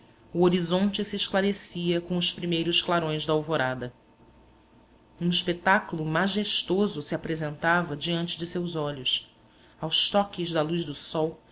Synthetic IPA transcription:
uoɾizõnt͡ʃɪsiːʃklaɾesiɐkõʊspɾimejɾʊʃklaɾõj̃zd̪ɐawvoɾad̪ɐ | ũiʃpet̪akulˠʊmaʒeʃt̪ozʊsiapɾezẽnt̪avɐd͡ʒiɐ̃nt͡ʃɪd͡ʒɪsewzɔʎʊs | awʃt̪ɔkɪʒd̪ɐlujʒd̪ʊsɔw

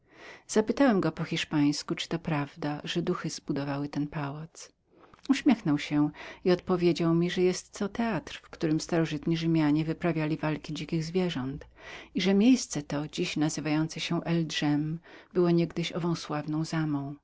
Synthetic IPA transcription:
z̥apɘt̪awɛmɡɔpɔxʲiʂpaj̃skut͡ʂɘ̥t̪ɔpɾavd̪aʐ̥ɛd̪uxɘzbud̪ɔvawɘt̪ɛnpawat̪s | uɕmʲɛxnɔwɕɛiɔt̪pɔvʲjed͡ʑawmʲiʐɛjɛst̪ːɔt̪ɛat̪ɾfkt̪uɾɘmst̪aɾɔʐɘt̪ɲiʐɘmʲjaɲɛvɘpɾavʲjalʲivalkʲid͡ʑikʲiɣzvʲjɛʐɔnt̪iʐɛmʲjejst̪sɛt̪ɔd͡ʑiɕnazɘvajɔnt̪sɛɕɛʔɛldʐɛmbɘwɔɲɛɡd̪ɘɕɔvɔ̃w̃swavnɔ̃w̃zamɔ̃w̃

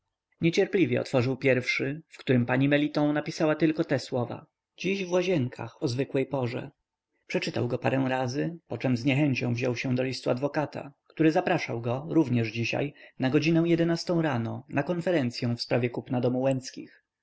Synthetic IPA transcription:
ɲɛt͡ɕɛɾplʲivjɛ̰ɔ̰t̪fɔʐɘwpʲjɛɾfʂɘfkt̪uɾɘmpaɲimɛlʲit̪ɔ̃w̃napʲisawat̪ɘlkɔt̪ɛswɔva̰ | d͡ʑiɕvwaʑɛŋkʰa̰xɔzvɘkwɛjpɔʐɛ̰ | pʂɛt͡ʂɘt̪a̰wɡɔpaɾɛ̃w̃ɾazɘpɔt͡ʂɛmzɲɛxɛɲt͡ɕɔ̃w̃vʑɔwɕɛ̃d̪ɔlʲist̪uad̪vɔkat̪ʰa̰kt̪uɾɘzapɾaʂawɡɔɾuvɲɛʐd͡ʑiɕa̰jnaɡɔd͡ʑinɛ̃w̃jɛd̪ɛnast̪ɔ̃w̃ɾanɔnakɔnfɛɾɛnt̪sʲjɔ̃w̃fspɾavʲjɛkupnad̪ɔmuwɛnt̪skʲḭx

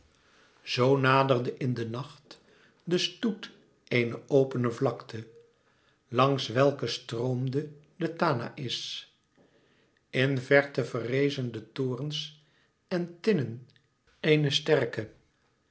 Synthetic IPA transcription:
z̥ownaːdərdəʔɪndənɑχt | dəstut | ejnəʔowpənəvlɑktʰə | lɑŋsʋɛlˠkəstrowmdə | dətaːna̰ʔɪs | ɪnvɛɹtəvərejzəndətʊːrəns | ɛntɪnən | ejnəstɛrkə

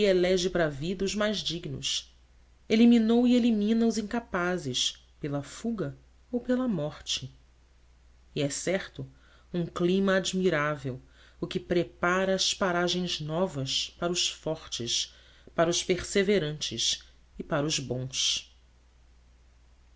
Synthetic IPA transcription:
ielɛʒɪpaɾɐvid̪ɐʊzmajzd͡ʒiɡnʊ̰s | eliminowielimĩnɐʊzĩŋkapazɪʃ | pelɐfuɡɐ | owpelɐmɔχt͡ʃɪ | iɛsɛχt̪ʊ | ũklimɐːd͡ʒmiɾavew | ʊkɪpɾepaɾɐːspaɾaʒẽj̃znɔvɐspaɾɐʊʃfɔɾt͡ʃɪs | paɾɐʊʃpeɾseveɾɐ̃nt͡ʃɪʃ | ɪpaɾɐʊzbõs

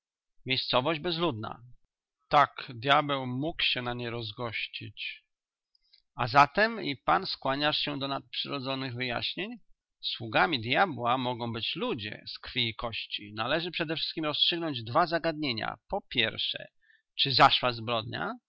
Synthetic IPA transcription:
mʲejst̪sɔvɔʑd͡ʑbɛzlud̪na̰ | t̪akd̪ʲjabɛwmukɕɛnaɲɛɾɔzɡɔɕt͡ɕit͡ɕ | azat̪ɛmḭpanskwaɲaʂɕɛd̪ɔnat̪̚pʂɘɾɔd̪zɔnɘɣvɘja̰ɕɲeɲ | swuɡamʲid̪jabwamɔɡɔ̃w̃bɘt͡ɕlud͡ʑɛ̰skfʲiikɔɕt͡ɕinalɛʐɘpʂɛd̪ɛfʂɘst̪kʲimɾɔstʂɘɡnɔɲd͡ʑd̪vazaɡad̪̚ɲeɲa̰pɔpʲjɛɾfʂɛ̰ | t͡ʂɘzaʂwazbɾɔd̪̚ɲa̰

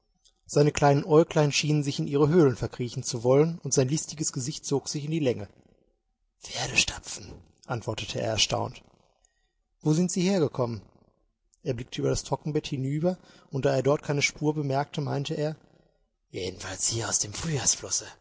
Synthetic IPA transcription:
z̥aɪnəkl̥aɪnənʔɔʏlklaɪnʃiːnənzɪçɪnʔiːʁəɦøːlənfɛɐkʁ̥iːçn̩t͡suvɔlənʊntz̥aɪnlɪstɪɡəsɡ̥əzɪçt̚t͡soːkz̥ɪçɪndiːlɛŋə | feːɐɾəʃtʰḁp͡fn̩ | ʔantv̥ɔɐtətʰəḛːɐɛɐʃta̰ʊnt | voːzɪntz̥iːheːɐɡəkʰɔmən | ʔeːɐblɪk̚tʰəyːbɐɾastʁ̥ɔkŋ̩bɛthɪnyːbɐ | ʊnt̚d̥aːeːɐdɔɐt̚kʰaɪnəʃpʰuːɐbəmɛɐk̚tʰəma̰ɪntəʔeːɐ | jḛːdn̩falshiːɐaʊsd̥eːmfʁ̥yːjaːsflɔsə

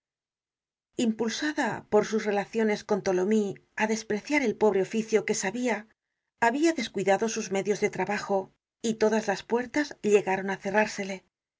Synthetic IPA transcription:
impulsaðapo̞ɾsusre̞laθjo̞ne̞sko̞nt̪o̞lo̞miaðespɾe̞θjaɾe̞lpo̞β̞ɾe̞ofiθjo̞ke̞saβiaː | βiaðe̞skwiðaðo̞suzme̞ðjo̞zðe̞t̪ɾaβaxo̞ | it̪o̞ðazlaspwe̞ɾt̪azʎe̞ɣaɾo̞naθe̞raɾse̞le̞

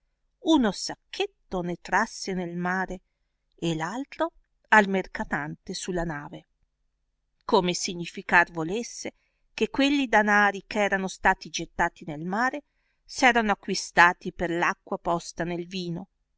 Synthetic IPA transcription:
unosakʰːet̪ːonet̪ɾasːenelmaːɾe | elalt̪ɾo | almerkat̪ant̪esulːanaːve | komesiɲːifikarvolesːe | kekːwelːid̪anaːɾikɛːɾanost̪aːt̪id͡ʒet̪ːaːt̪inelmaːɾe | sɛːɾanoakːwist̪aːt̪iperlakːwapɔst̪anelviːno

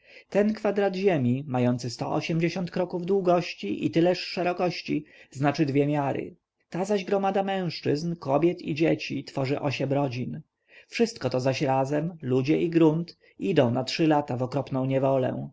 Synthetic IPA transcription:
t̪ɛnkfad̪ɾad̪ʑemʲimajɔnt̪sɘst̪ɔ̰ʔɔ̰ɕɛmd͡ʑeɕɔnt̪̚kɾɔkuvd̪wuɡɔɕt͡ɕiʔḭt̪ɘlɛʂːɛɾɔkɔɕt͡ɕiznat͡ʂɘd̪vʲjemʲjaɾɘ̰ | t̪azaʑɡɾɔmad̪amɛ̃w̃ʂt͡ʂɘznkɔbʲjɛt̪ḭd͡ʑet͡ɕit̪fɔʐɘʔɔɕɛmɾɔd͡ʑin | fʂɘst̪̚kɔt̪ɔzaɕɾazɛmlud͡ʑɛʔiɡɾunt̪ | id̪ɔ̃w̃natʂɘlat̪avɔkɾɔpnɔ̃w̃ɲɛvɔlɛ̰

